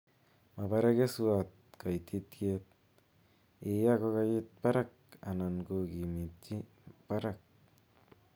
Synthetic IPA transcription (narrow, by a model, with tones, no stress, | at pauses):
ma˨baɾa˦ke˦suat̪̚ka˨jt̪it̪ket̪̚ | e˨jako˦kajit̪̚pa˦ɾak̚ | a̰˨na˨nɡoɡi˨mi˨tt͡ʃi˦ | pa˦ɾak̚